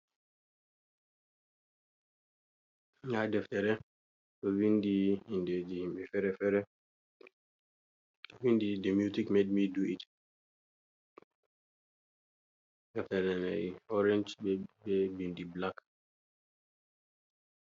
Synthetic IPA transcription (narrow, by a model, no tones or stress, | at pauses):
ŋadɛftɛɾɛ | tɔwindiinded͡ʒihimbɛfɛɾɛfɛɾɛ | tɔwindidɛmjutikmed̚miduit | dɛftɛɾɛnɛ̰jɔɾɛnd͡ʒbɛbɛbindiblak